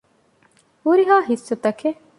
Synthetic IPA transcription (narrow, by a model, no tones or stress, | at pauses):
uɾiɦaːɦisːot̪ɐkʰe